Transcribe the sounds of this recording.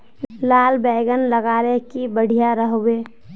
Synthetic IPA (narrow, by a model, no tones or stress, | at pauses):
laːlbɛɪɡənləɡaːlekibəɽ̤ʱijaɾəɦoweː